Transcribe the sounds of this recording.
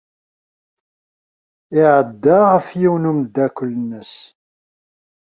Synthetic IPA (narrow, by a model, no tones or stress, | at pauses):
ɪʕəd̪ːaʁəfjiwnumd̪ːækʷʊlːnəs